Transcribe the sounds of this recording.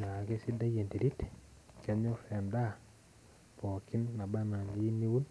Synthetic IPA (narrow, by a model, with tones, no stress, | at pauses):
ɲa˨ke˦si˦da˦je˨nte˨ɾi˦t | kɛ˨˦ɲo˦fɛ˨nda˦ | pɔ˨kɪ˦nːa˨ba˦na˨ni˦ni˦wu˦n